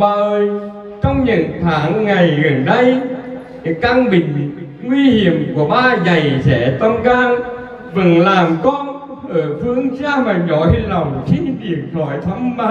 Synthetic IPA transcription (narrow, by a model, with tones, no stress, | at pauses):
aː˨˩ʔəː˨˩j | t͡ɕə˧wŋ͡mɲə̰˧˥˨nt̪ʰaː˨˦ŋːa˨˩jɣə˨˩nɗə˧j | kaː˧ŋɓḭ̈˧˨ŋ̟ | ŋwi˧hi˧˩˦əmku˧˩əɓaː˧za˨˩jsɛ̰˧˥t̪ə˧mkaː˧ŋ | vɨ˨˩nlaː˨˩mkɔ˧n | ʔəː˧˩fɨ˧əŋt͡ɕaː˧maː˨˩zɔ̰˧˨˦jlɔ˨˩wŋ͡mxi˧nvi˨˩ək̚t̪ʰɔ˧˩˦jt̪ʰə˨˧˦ŋ͡mmaː˧